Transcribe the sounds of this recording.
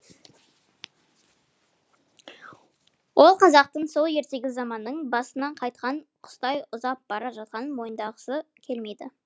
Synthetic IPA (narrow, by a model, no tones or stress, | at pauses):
wʔo̞lˠqʰɑzɑq̚t̪əɴso̞lˠje̞ɾt̪e̞ɡʲɪzɑmɑnːəɴbɑsənɑɴqʰɑjt̪qɑɴqʰʊ̥st̪ɑjʊzɑp̚bɑɾɑʒɑt̪̚qɑnmo̞jənd̪ɑʁəsəkʲʰe̞lme̞jd̪ɪ